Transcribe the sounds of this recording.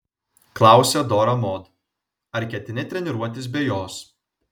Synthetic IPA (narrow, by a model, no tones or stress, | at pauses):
klˠɑˑʊsʲɛd̪oːɾɐmoːt̪ | ɐɾʲkʲɛt̪ʲɪnʲɛt̪ʲɾʲɛnʲɪɾuɔt̪ʲɪs̬bʲɛːjoːs